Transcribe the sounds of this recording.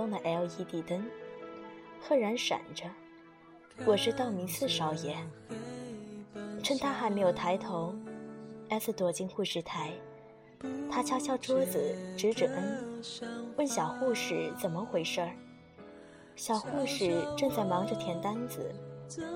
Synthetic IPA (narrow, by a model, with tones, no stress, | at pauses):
ʊ˥ŋd̪ə˨ʔɛ˥li˧˥t̪i˨˩t̪ə˥n | t̪ʰɤ˥˩ɻa˧˥nʂa̰˨˩nʈ͡ʂə˦ | wɔ˨˩ʂɻ̩˥t̪ɑ˥˩ʊmi˧˥t͡s̩ʰ˥˩ʂɑ˧˥˩ʊjɛ˧˥ | ʈ͡ʂʰə˥nt̪ʰa˥xa˧˥ɪme˧˥ɪjo˨˩t̪ʰa˧˥ɪt̪ʰo˧˥ʊ | ɛ˥s̩˥˩t̪wɔ˨˥˩t͡ɕi˧˥ŋxu˥˩ʂɻ̩˧˥t̪ʰa˧˥ɪ | t̪ʰa˥t͡ɕʰja˥ɕʰjɑ˥˩ʊʈ͡ʂwɔ˥d͡zɹ̩˨˩ʈ͡ʂɻ̩˧˥ʈ͡ʂɻ̩˨˩ʔə˥n | wə˥˩nɕjɑ˨˩ʊxu˥˩ʂɻ̩˨˩t͡sə˨˩nmə˧˦xwe˧˥ɪʂə˥˩ | ɕjɑ˨˩ʊxu˥˧˩ʂɻ̩˨˩ʈ͡ʂɤ˥˧ŋt͡sa˥˩ɪmɑ˧˥ŋʈ͡ʂə˧t̪ʰjɛ˧˥nt̪a˥nd͡zɹ̩̰˨˩